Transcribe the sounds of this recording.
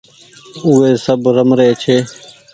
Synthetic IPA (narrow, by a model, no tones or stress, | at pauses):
uːeːsəbɾəmɾeːt͡ʃʰeː